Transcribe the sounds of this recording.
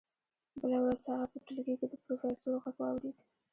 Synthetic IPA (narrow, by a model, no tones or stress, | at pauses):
bəlawɾazhaɣapəʈəlɡiked̪əpɾofesoɾɣaɡwɑwɾed̪